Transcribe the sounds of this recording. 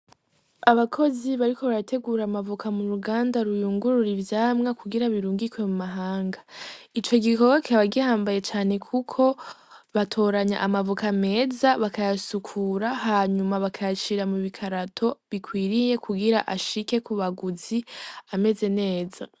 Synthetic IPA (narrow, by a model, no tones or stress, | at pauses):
aβakʰo̞ziβaɾiko̞βaɾatʰe̞ɡuːɾamavukʰamuɾuɡaːndaɾujuːŋɡuɾuɾivjaːmŋakuɡiɾaβiɾuːŋɡikwe̞mumaɦaːŋɡait͡ʃo̞ɡikoɡokʰaβaɡiahaːmbaje̞t͡ʃaːne̞kʰukʰo̞βatʰo̞ːɾaɲa̰ʔamavukame̞ːzaβakajasukʰuɾaɦaːɲumaβakʰajat͡ʃiɾamuβikʰaɾatʰo̞βikʰwiːɾije̞kʰuɡiɾa̰ʔaʃike̞kuβaɡuziame̞ze̞ne̞ːza